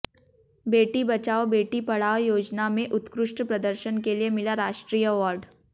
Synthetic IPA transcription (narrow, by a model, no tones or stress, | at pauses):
beːʈibɐt͡ʃaːobeːʈipɐɽ̤aːojoːd͡ʒnamẽʔʊt̪kɾʊʃʈpɾɐd̪əɾʃənkeliemɪlaɾaːʃʈɾiːjəɐʋaːɾɖ